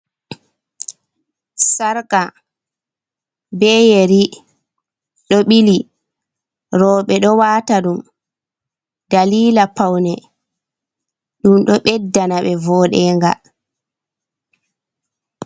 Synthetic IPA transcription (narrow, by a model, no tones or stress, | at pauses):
saɾka | bɛːjeɾi | ɗɔɓili | ɾɔːɓɛɗɔwaːtaɗum | daliːlapawnɛ | ɗumɗɔɓɛdːanaɓɛvɔːɗɛːŋɡa̰l